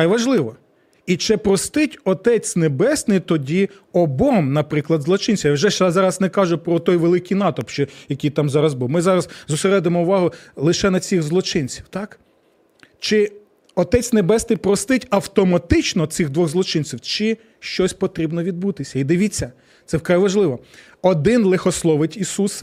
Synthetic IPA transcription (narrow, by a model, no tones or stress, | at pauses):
ajʋɐʒlˠɪʋɔ | it͡ʃɪpɾɔst̪ɪtʲɔt̪ɛt͡sʲnebɛsnɪjt̪ɔdʲi | ɔbɔmnɐpɾɪklˠɐd̪zlˠɔt͡ʃɪnt͡sʲiwjawʒɛʃɛzɑɾɐznɛkɑʒʊpɾɔt̪ɔjʋelˠɪkijnɑt̪ɔpʃt͡ʃɔjɐkʲijt̪ɑmzɑɾɐzbuwmɪzɑɾɐzzʊseɾɛd̪emɔʊʋɑɦʊlˠɪʃɛnɐt͡sʲiɣzlˠɔt͡ʃɪnt͡sʲiwt̪ɑk | t͡ʃɪ | ɔt̪ɛt͡sʲnebɛsnɪjpɾɔst̪ɪtʲɐwt̪ɔmɐt̪ɪt͡ʃnɔt̪sɪɣd̪ʋɔɣzlˠɔt͡ʃɪnt͡sʲiwt͡ʃɪ | ʃt͡ʃɔsʲpɔt̪ɾʲibnɔʋʲid̪̚but̪ɪsʲɐid̪ɪʋʲit͡sʲːɐ | t̪sɛwkɾajʋɐʒlˠɪʋɔ | ɔd̪ɪnlˠexɔslˠɔʋɪtʲisus